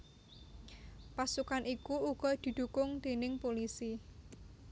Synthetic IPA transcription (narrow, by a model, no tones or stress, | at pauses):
pasukanʔikuuɡ̥ɔ̤d̪̥i̤d̪̥ṳkʊŋd̪̥e̤nɪŋpolisi